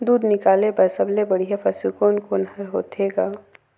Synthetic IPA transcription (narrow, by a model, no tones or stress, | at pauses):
d̪uːd̪nɪkaːlebɛːsəblebɐɽiɦefʰɐsikoːnkonɦɐɾɦo̰ːt̪eːɡaː